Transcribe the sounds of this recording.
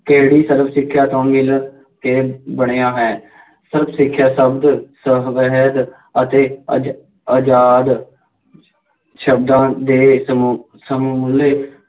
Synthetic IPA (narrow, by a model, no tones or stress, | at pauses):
keːɽiːsəɾəpʰsɪkʰːjaːt̪õːmɪl | keːbəɳ̃eːãːɦɛː | səɾəpʰsɪkʰːjaːsəbd̪səʋəɦəd̪ | ət̪eː | əd͡ʒaːd̪ | ʃəbd̪ãːd̪eː | səmːleː